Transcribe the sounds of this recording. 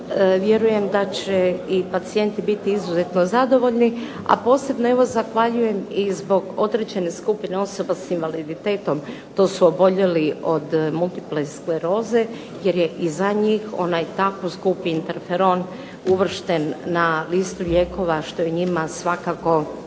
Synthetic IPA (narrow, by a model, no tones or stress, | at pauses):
ʋje̞ɾuje̞md̪at͡ɕeipat̪sije̞nt̪ibit̪iizuze̞t̪no̞zad̪o̞ʋo̞ʎni | a̰po̞ːse̞bno̞e̞ʋo̞zaxʋaʎuje̞mizbo̞ɡod̪ɾed͡ʑe̞ne̞skupine̞o̞so̞basinʋalid̪it̪e̞ːt̪o̞m | t̪o̞ːsuobo̞ʎe̞lio̞d̪mult̪i̥pleskleɾo̞ːze̞ | je̞ɾje̞ʔizaɲiːxo̞̰najt̪akoskupiint̪eɾfeɾo̞n | uʋr̩ʃt̪e̞nːalist̪uʎe̞ːko̞ʋaʃt̪o̞jeɲimasʋakako̞